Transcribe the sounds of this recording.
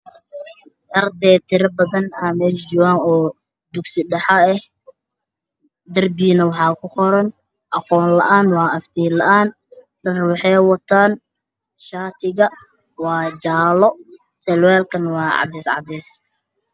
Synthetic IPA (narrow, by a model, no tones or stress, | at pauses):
t̪ɐrd̪ɛːt̪ʰɪɾɐbɐðɐnaːmɛːld͡ʒʊwaːŋɔː | d̪ʊɡsɪɖɐħɑɛh | d̪ɐrbiːnɐwɑħɑːkʰʊqɔɾɐn | ʔɐqɔːnlɐ̰ʔaːnwɑːɐft̪ʰiːlɐʔaːn | lɐrwɑħɛwɑt̪ʰaːn | ʃaːt̪ʰɪɣɐ | wɑːd͡ʒaːlɔ | sɛlwɛːlkʰɐnwɑːʕɑ̰d̪ɛːsʕɑ̰d̪ɛːs